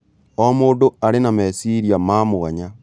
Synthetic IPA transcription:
ɔmoːndoaɾenamɛsiɾiamamoɣaɲa

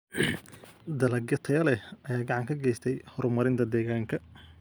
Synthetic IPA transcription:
d̪ɐlɐɡjɐt̪ʰɐjɐlɛʔɐjaːɡɑʕɑŋkʰɐɡɛjst̪ʰɛjhɔɾmɐɾɪnt̪ʰɐd̪ɛːɣaːŋkʰɐ

